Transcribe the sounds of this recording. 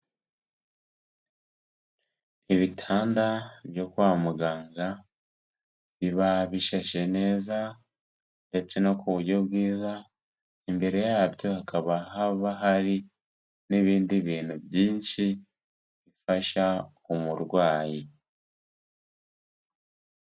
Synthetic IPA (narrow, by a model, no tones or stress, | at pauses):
iβitʰaːndaβjo̞kwaːmuɡaːŋɡa | βiβaβiʃaʃene̞ːza | ɾet͡senokʰuβuɟo̞βɡiːza | embe̞ɾe̞jaːbjo̞hakʰaβaɦaβaɦaɾi | niβiːndiβiːn̥hubjiːnʃi | βifaʃa | omuɾɡwaːji